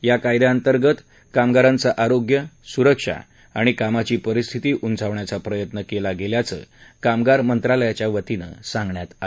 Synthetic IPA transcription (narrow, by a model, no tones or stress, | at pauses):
jakajd̪aənt̪əɾɡət̪ | kamɡaɾãnt͡saʔaɾoɡjəsuɾəkʂa̰ | aɽ̃ikamat͡ɕiːpəɾist̪ʰit̪iːʔund͡zʱaʋɳjat͡sapɾəjət̪nəkelaɡeljat͡sə̰ːkamɡaɾmənt̪ɾaləjat͡ɕjaʋət̪inə̰sãŋɡɳjat̪a